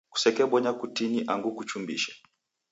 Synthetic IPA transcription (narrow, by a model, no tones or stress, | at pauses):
ku̥sɛkɛɓɔɲakutiniʔaŋɡukut͡ʃumbḭʃɛ̥